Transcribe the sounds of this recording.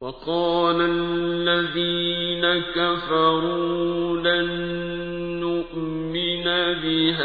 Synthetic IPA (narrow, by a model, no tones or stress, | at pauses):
wɑqɑːlalːaðiːnakafɑɾulanː | ʊʔ | mɪnabɪɦaː